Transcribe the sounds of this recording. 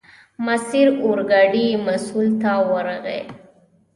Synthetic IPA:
masiɾoɾɡɑɖimasult̪awəɾaɣḛ

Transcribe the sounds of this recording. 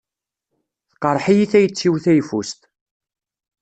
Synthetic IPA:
θqəɾˤħijiθæjət͡sːiwθæjfust̪

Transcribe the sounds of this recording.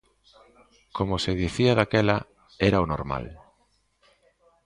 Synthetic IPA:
komoseðiθiaðakɛla | ɛɾaono̰ɾma̰l

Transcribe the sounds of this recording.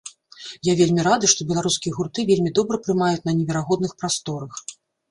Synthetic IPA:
javʲelʲmʲiɾad̪ɨʂt̪ɔbʲɛlˠaɾuskʲijɐɣurt̪ɨvʲelʲmʲid̪ɔbɾɐpɾɨmajut͡sʲnɐnʲɛvʲɛɾaɣɔd̪nɨxpɾast̪ɔɾɐx

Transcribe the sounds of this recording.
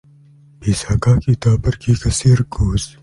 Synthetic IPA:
biːsaːkaːkiːt̪aːbɐɾkiːkɐsiːɾkoːs

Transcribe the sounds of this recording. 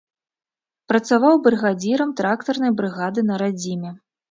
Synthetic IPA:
pɾɐt̪savawbɾɨɣad͡zʲiɾɐmt̪ɾakt̪ɐrnɐjbɾɨɣad̪ɨnɐɾad͡zʲimʲɛ

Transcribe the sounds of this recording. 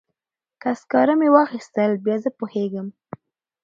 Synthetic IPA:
kaskɑɾamewɑxist̪əlbjɑzəpoheɡəm

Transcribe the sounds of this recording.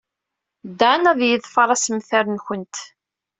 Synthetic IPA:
d̪ːanæðjəðfəɾˤɑsəmθæɾənçənt̪

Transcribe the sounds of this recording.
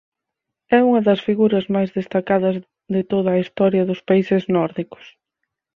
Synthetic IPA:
ɛuŋɐðɐsfiɣuɾɐzmajzðest̪akaðɐz | ðɪt̪oðɐːist̪ɔɾjɐðʊspaisɪznɔɾðikʊ̥s

